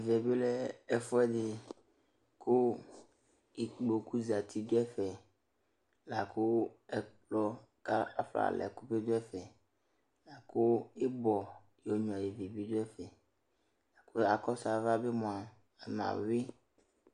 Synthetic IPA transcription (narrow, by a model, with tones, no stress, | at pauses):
vɛ˨be˦lɛ˦ɛ˨fɔ˦ɛ˦ɖɪ˨ | kʰo˦ | i˨k͡po˨ku˦za˨t̪ʰi˦d̪o˦ɛ˦fɛ˨ | la˨ko˦ɛ˦k͡plɔ˦ | ka˦a˦fla̰˨lʔɛ̰˨ku˦be˦d̪o˦ɛ˦fɛ˨ | la˨ko˦e˦bɔ˨ | jo˨˦ɲɔ̃˨a˨je˨ve˨bi˦d̪o˦ɛ˦fɛ˨ | la˨ko˦a˨kɔ˦sa˨va˦be˦mɔ̃˨a˨ | m˨ã̰˨wi˦